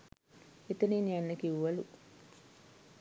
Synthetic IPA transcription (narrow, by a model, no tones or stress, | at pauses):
et̪əniːnianːəkiʋuʋɐlu